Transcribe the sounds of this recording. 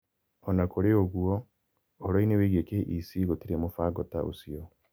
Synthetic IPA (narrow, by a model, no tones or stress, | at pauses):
ɔnakʰoɾeoɣuɔ | oɾɔineweɣekeʔisiɣotiɾemofaɡɔta̰ʔo̰siɔ